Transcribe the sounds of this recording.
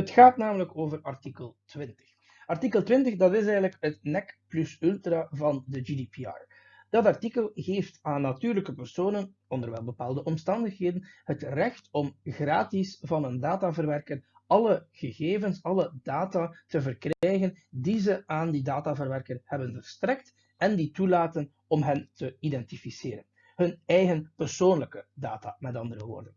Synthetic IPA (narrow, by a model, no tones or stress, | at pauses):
ətxaːtnaːmələkoːvərɑrtikəlˠtwɪntə̥x | ɑrtikəlˠtʋɪntəxdɑtɪs̬ɛjɣənləkɦətnɛkplɵsʏlˠtravɑndəd͡ʒidipiɑ̰j | d̥ɑtɑrtikəlˠɣeːftaːnːatyːrləkəpɛrsoːnən | ɔndərʋɛlˠbəpaːlˠdəʔɔmstɑndəxɦeːdənhətrɛxtɔmɣraːtisvɑnəndaːtaːvərʋɛrkər | ɑləɣəɣeːvənsɑlədaːtaːtəvərkrɛjɣəndizəʔaːndidaːtavərʋɛrkərhɛbənvərstɾɛk̚t | ɛnditulaːtən | ɔmɦɛntəidɛntifiseːɾən | ɦɵnɛjɣənpərsoːnləkəda̰ːta̰ːmɛtɑndərəʋo̰ːrdən